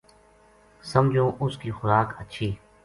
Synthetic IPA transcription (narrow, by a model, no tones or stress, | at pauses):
səmd͡ʒʱõːʔʊskiːxʊɾaːkətːʃʰiː